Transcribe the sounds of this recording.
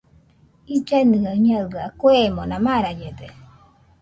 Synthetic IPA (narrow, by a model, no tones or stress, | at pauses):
id͡ʒanɯaɲaɯakwemonãmaɾad͡ʒed̪e